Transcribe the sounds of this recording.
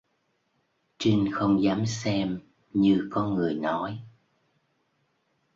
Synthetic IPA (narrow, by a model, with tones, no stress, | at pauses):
t͡ɕi˧ŋxə˧wŋ͡mzaː˨˦msɛ˧m | ɲɨ˧kɔ˨˧nŋɨ˨˩əjnɔ˨˦j